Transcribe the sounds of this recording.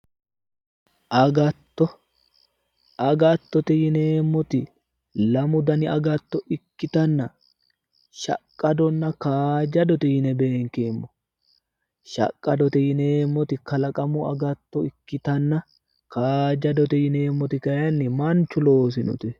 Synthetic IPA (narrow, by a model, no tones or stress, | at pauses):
ʔɐɡɐt̪ːɔ | ɐɡɐt̪ːɔt̪ɛjɪneːmːɔt̪ɪ | lɐmʊd̪ɐnɪɐɡɐt̪ːɔʔɪkːɪt̪ɐnːɐ | ʃɐ̰kʼːɐd̪ɔnːɐkaːd͡ʒɐd̪ɔt̪ɛjɪnɛbe̞ːŋkeːmːɔ | ʃɐ̰kʼːɐd̪ɔt̪ɛjɪneːmːɔt̪ɪkɐlɐkʼɐmʊɐɡɐt̪ːɔɪkːɪt̪ɐnːɐ | kaːd͡ʒɐd̪ɔt̪ɛjɪneːmːɔt̪ɪkɐjɐnːɪmɐnt͡ʃːʊlo̞ːs̬ɪnɔ̰t̪ɛ